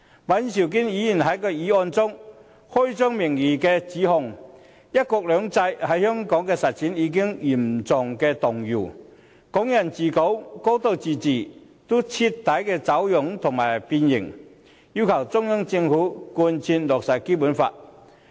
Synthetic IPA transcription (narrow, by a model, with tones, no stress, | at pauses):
wɐ˨˧˥nsi˨˩wk̬iː˥njiː˨˥jiː˨˩nɦɐ˨˥jkœ˧jiː˨˥ɔː˧nt͡sʊ˥ŋ | hɔ˥jt͡sœː˥ŋmɪ˨˩ŋjiː˨˩kɛː˧t͡siː˨˥ɦʊ˨˧ŋ | jɐ˥t̚kɔː˧k̚lœː˨˧ŋt͡sɐ˧jhɐ˨˥jhœː˥ŋkɔː˨˥ŋkɛː˧sɐ˨t̚t͡sʰiː˨˥njiː˨˧k̬ɪ˥ŋji˨˩mt͡sʊ˨˩ŋkɛː˧t̪ʊ˨ŋjuː˨˩ | kʊ˨˥ŋjɐ˨˩nt͡siː˨˩ko˨˥wko˨˥wt̪o˧wt͡siː˨˩t͡siː˨˩ | t̪o˥t͡sʰi˧t̪ːɐ˨˥jkɛː˧t͡sɐ˨˥wjʊ˨˥ŋt̪ʰʊ˨˩ŋmaː˨˩jpiː˧njɪ̰˨˩ŋ | jiː˧wkʰɐ˨˩wt͡sʊ˥ŋjɐ˥ŋt͡sɪ˧ŋfuː˨˥kuː˧nt͡sʰiː˧nlɔː˨k̚sɐ˨˩jke˥puː˨˥nfa̰ː˧t̚